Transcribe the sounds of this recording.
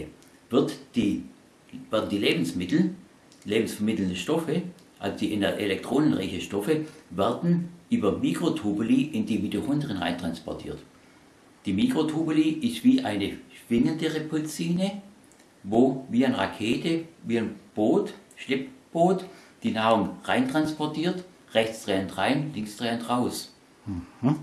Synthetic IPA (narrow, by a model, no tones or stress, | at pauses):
vɪɐtd̥iː | vɛɐdn̩diːleːbn̩smɪtl̩ | leːbm̩sfɛɐmɪtl̩ndəʃtɔfə | ʔa̰lzod̥iːʔɪnəʔelɛk̚tʁ̥oːnənʁa̰ɪçəʃtɔfəvɛɐdn̩ʔyːbɐmiːkʁ̥otʰuːbəliʔɪndiːmiduʁʊndəʁənʁa̰ɪntʁ̥anspɔ̰ɐtʰḭːɐt | d̥iːmiːkʁ̥otʰuːbəliʔɪstv̥iːʔaɪnəʃv̥ɪŋəndəʁepʰʊlt͡siːnə | voːviːaɪnʁa̰kʰeːtəviːanb̥oːtʃlɪpb̥oːtd̥iːnaːʁʊŋʁaɪntʁ̥anspɔɐtʰiːɐt | ʁɛçt͡sd̥ʁɛːəntʁaɪnlɪŋsd̥ʁɛːəntʁaʊs̩